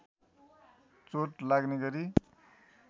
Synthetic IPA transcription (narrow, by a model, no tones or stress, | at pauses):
t͡soʈlaɡneɡʌɾi